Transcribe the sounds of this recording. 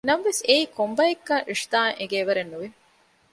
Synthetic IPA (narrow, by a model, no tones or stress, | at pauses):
nɐmʋeseiːkombɐekːɐŋiʂt̪aːŋʔeɡeːʋɐɾenːuʋi